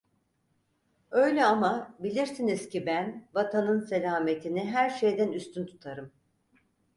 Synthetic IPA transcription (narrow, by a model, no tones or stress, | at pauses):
ø̞jlʲɛamabilʲiɾsiniz̥cibænvat̪ʰanɯnse̞lʲaːme̞t̪ʰiniɦæɾʃe̞jd̪ænyst̪ʰynt̪ʰu̥t̪ʰaɾɯm